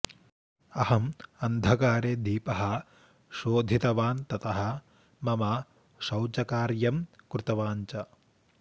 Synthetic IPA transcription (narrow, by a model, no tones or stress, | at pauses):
ɐhɐmɐnd̪ʱɐkaːɾeːd̪iːpɐɦɐ̆ | ʃoːd̪ʱit̪ɐʋaːnt̪ɐt̪ɐɦɐ̆ | mɐmɐ | ʃɐwt͡ʃɐkaːɾjɐmkɾut̪ɐʋaːɲt͡ʃɐ